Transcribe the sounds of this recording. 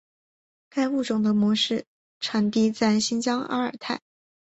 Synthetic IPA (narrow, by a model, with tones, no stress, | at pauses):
ka˥ɪu˥˩ʈ͡ʂʊ˨˩ŋd̪ə˦mwɔ˧˥ʂɻ̩˥˩ | ʈ͡ʂʰa˧˥nt̪i˥t͡sa˥˩ɪɕi˥nt͡ɕjɑ˥ŋa̰˥ə̰˞˨˩t̪ʰa˥˩ɪ